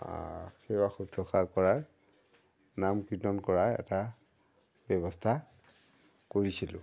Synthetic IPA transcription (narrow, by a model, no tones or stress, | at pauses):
a̰xɛwaxudʱɔxakɔɹaɹ | namkitɔnkɔɹaɛ̰ta | bɛβɔstʰa | koɹisilʊ̰̃